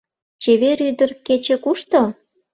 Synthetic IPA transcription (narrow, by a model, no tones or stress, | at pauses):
t͡ɕeβeɾyd̪ərket͡ɕĕkuʃt̪o